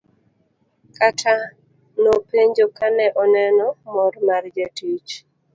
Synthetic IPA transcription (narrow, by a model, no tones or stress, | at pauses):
katʰa | nopeɲd͡ʒokanɛʔɔnɛnɔmɔɾmard͡ʒatit͡ʃ